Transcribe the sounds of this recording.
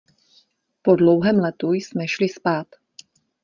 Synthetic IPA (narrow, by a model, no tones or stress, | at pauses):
po̞dlowɦɛːmlɛt̪ujsmɛʃlɪspaːt̪